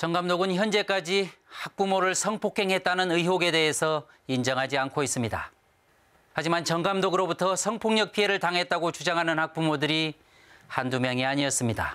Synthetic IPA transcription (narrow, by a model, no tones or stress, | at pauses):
t͡ɕʌŋɡamdoɡɯnçjʌnd͡ʑe̞k͈ad͡ʑihak̚p͈umoɾɯɭsʰʌŋpʰokʰe̞ŋɦe̞t̚t͈anɯnɯiɦoɡe̞de̞ɦesʰʌ | ind͡ʑʌŋɦad͡ʑiankʰois͈ɯmɲida̰ | had͡ʑimant͡ɕʌŋɡamdoɡɯɾobutʰʌsʰʌŋpʰoŋɲʌk̚pʰie̞ɾɯɭtaŋɦe̞t̚t͈aɡot͡ɕud͡ʑaŋɦanɯnhak̚p͈umodɯɾi | handumjʌŋiaɲiʌs͈ɯmɲida̰